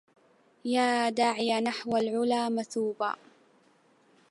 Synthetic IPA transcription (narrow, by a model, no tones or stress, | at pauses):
jaːd̪aːʕɪjanaħwalʕʊlaːmaθuːba̰ː